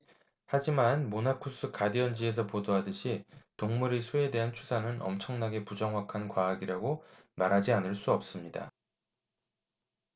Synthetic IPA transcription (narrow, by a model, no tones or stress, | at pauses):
had͡ʑimanmonakʰus͈ʰɯkadiʌnd͡ʑie̞s̬ʰʌpodoɦadɯɕʰitoŋmuɾisʰoe̞de̞ɦant͡ɕʰusʰanɯnʌ̰mt͡ɕʰʌŋnaɡe̞pud͡ʑʌŋɦwakʰankwaːɡiɾaɡo | maɾɦad͡ʑianɯɭs͈uʌp̚s͈ɯmɲida̰